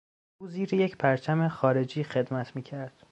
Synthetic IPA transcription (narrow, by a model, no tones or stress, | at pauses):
uːziːɾejecʰpʰæɾt͡ʃʰæmeχɒːɾe̞d͡ʒiːxe̞d̪mæt̪ʰmiːcʰæɾd̪̥